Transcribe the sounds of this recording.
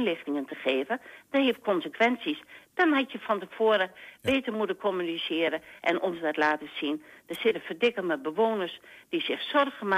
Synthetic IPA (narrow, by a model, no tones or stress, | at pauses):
nlɪxtɪŋəntəχeːvəd̥ɔnhefkʰɔnsəkʋɛnsisd̥ɔnɦatjəfɔntəfoəɾəʋeːtəmutəkʰomynisɪəɾəʔɛ̰nʔɔnzdɔtlaːtəsind̥əsɪtəfərdɪkəmɛt̚bəʋoːnərsd̥isɪxsɔrxəma